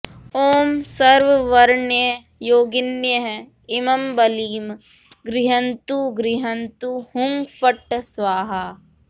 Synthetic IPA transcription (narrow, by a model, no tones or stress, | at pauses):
oːmsɐɾʋʋɐɾɳjə | joːɡɪnjəɦ | ɪmɐmbɐliːm | ɡɾɪɦənt̪uɡɾɪɦənt̪uhʊŋɡfʰəʈsʋaːɦaː